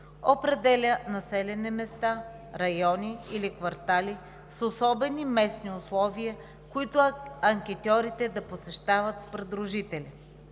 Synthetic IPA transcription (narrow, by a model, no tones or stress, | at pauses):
opɾɛd̪ɛlʲənɐsɛlʲɛnimɛst̪a | ɾɐjɔniilikvɐɾt̪alʲi | sosɔbɛnimɛsniʊslˠɔviə | kʊit̪ʊɐŋkʲɛt̪ʲɔɾit̪ɛd̪ɐposɛʃt̪avɐt̪spɾɛd̪ɾʊʒit̪ɛlʲi